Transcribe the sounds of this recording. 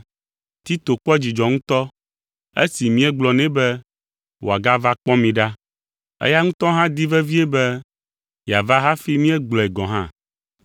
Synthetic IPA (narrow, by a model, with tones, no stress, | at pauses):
t̪i˦t̪o˨k͡pɔ˦d͡ʑi˨d͡ʒɔ˨ŋũ˦t̪ɔ˦ | ḛ˦si˨mĩ˦ɛ˦ɡ͡blɔ˨nɛ̃˦bɛ˦ | wʔo˨a˨ɡa˦va˦k͡pɔ˦mĩ˨ɖa˦ | ḛ˦ja˦ŋũ˦t̪ɔ˦ɦã˦d̪i˦vɛ˦vi˦ɛ˦bɛ˦ | ja˨va˦ɦa˦fi˦mĩ˦ɛ˦ɡ͡blɔ˨ɛ˨ɡɔ̃˨ɦã̰˦